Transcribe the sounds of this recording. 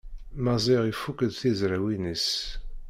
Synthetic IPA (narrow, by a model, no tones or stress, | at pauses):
mɑzˤiʁifukəðθizɾæwinis